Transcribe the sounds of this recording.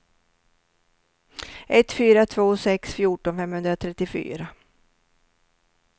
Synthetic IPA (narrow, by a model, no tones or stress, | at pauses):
ʔɛt̪ːfyːɾat̪ʰvoːsɛksfjuːʈɔnfɛmhɵnd̪ɾat̪ʰɾɛt̪ːɪfy̰ːɾa